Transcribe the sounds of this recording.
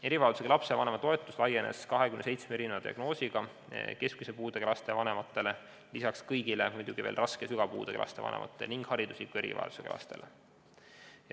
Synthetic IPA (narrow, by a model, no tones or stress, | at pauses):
e̞ɾivɑeld̪u̥sekelɑpse̞vɑnemɑt̪o̞e̞t̪ˑːuslɑje̞nḛskɑɦe̞kymnesejt̪smeeɾinevɑd̪̥ʲiɑ̰ɡ̥no̞ːsʲiɡ̥ɑ | ke̞skmisepuːd̪ekelɑst̪e̞vɑne̞mɑt̪ːˑe̞le̞ | lisɑkskɤjɡ̥ilemujd̪uɡ̥iveːlrɑskesyɡ̥ɑpṵːd̪̥eklɑ̰st̪evɑ̰nḛmʔɑ̰t̪ˑːelniŋɡ̥hɑɾid̪uslikːue̞ɾḭvɑ̰ḛld̪u̥seklɑ̰st̪e̞̰le